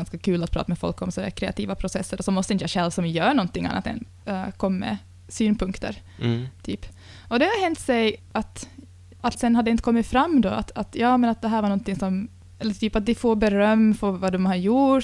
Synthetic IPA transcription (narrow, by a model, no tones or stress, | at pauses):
nskakʰʉ̟ːlat̪pʰɾɑ̰ːt̪amɛfɔ̰lkːɔmsɔd̪æ̰kʰɾɛa̰t̪ʰḭːvapʰɾʊsɛsːəɾɔsɔmɔst̪əɪnt̪əjaɕɛlvsɔmjœːɾɳɔnt̪ɪŋːa̰nːa̰t̪ɛ̰n | kʰɔmːmɛ̰ | syːnpʰɵŋkt̪ə̰ɾ | t̪ʰyːpː | ɔd̪ɛhaɦɛnt̪sɛj | at̪ | at̪sɛnhad̪ːɛɪnt̪əkʰɔmːɪt̪fɾamːd̪ɔa̰t̪at̪jɑːmɛnat̪̚d̪ɛɦæːɾvaɾɳɔnt̪ɪŋsɔm | ɛlːəɾt̪ʰyːpat̪̚d̪ɪfoɾbɛɾœmːfɔɾvɑd̪ɔmhaɾju